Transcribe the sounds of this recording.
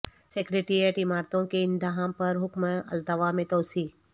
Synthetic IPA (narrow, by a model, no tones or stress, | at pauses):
sekɾeʈeɾijeʈɪmaːɾt̪õkeɪ̃nd̪aɦãmpɐɾɦʊkməɐ̰lt̪əʋamẽt̪ɐwsiː